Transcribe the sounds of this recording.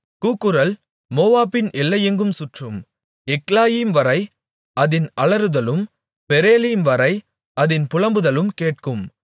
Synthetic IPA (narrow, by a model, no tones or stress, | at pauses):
kuːkːɯɾɐl | moːʋaːpɪnɛlːɐjɛŋɡɯmsʊʈrɯm | ɛklaːjiːmʋɐɾɐɪ | ɐðɪnɐɭɐɾɯðɐlɯm | pɛɾeːliːmʋɐɾɐɪ | ɐðɪnpʊlɐmbɯðɐlɯmkeːʈ̚kɯm